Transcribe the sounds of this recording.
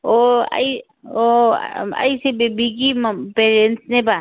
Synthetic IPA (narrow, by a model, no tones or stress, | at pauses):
oa̰i | o̰ | a̰isebebik̬impeːɾẽnsnẽba